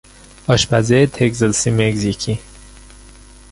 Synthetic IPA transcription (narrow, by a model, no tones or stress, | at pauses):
ɒʃbæzet̪ʰeɡzelsimeɡzicʰi